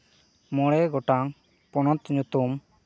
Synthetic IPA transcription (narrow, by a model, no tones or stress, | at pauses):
mɔɽɛɡɔʈaŋ | pɔnɔt̪ɲut̪um